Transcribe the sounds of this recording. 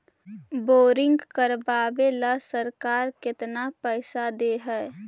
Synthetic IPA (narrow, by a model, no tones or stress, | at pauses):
boːɾɪ̃ŋɡkəɾbaːbeləsəɾkaːɾkɪt̪napəɪsad̪eɦɛː